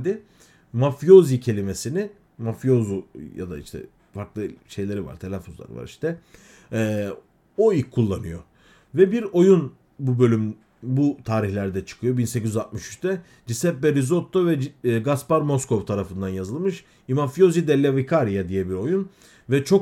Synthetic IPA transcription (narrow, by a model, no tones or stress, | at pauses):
d̪ɪ | mafjo̞zicʰe̞lʲime̞sinɪ | mafijo̞zuja̰d̪a̰ḭʃt̪ʰɛ̰ | faɾklˠɯʃe̞jlʲe̞ɾiva̰ɾt̪ʰelʲafozlˠa̰ɾɯ̰va̰ɾiʃt̪ʰɛ | ɛː | o̞iulˠːanɯjo̞̰ | vɛbiɾo̞jun | bubø̞lʲym | but̪ʰaːɾiçlʲæɾd̪ɛt͡ʃʰɯ̥kʰɯjo̞binsecizyzat̪̚mɯʃy̥t͡ʃt̪ʰɛ | d͡ʒisɛp̚bɛɾizot̪ʰːovɛɡaspaɾmo̞sko̞vt̪ʰaɾafɯnd̪anjazɯlˠmɯʃ | imafijo̞zid̪ɛlʲːavikʰaɾijad̪ijɛbiɾo̞jun | vɛt͡ʃʰo̞k